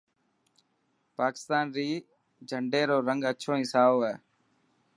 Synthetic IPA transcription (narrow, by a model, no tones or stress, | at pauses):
paːkɪ̥st̪aːnɾiː | d͡ʒʱəɳɖeːɾoːɾəŋɡətːʃʰõːĩːsaːoːɦɛː